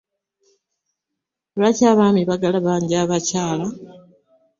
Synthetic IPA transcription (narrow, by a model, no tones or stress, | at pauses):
βacaːβaːmiβaɡalaβaːɲɟiaːβacaːla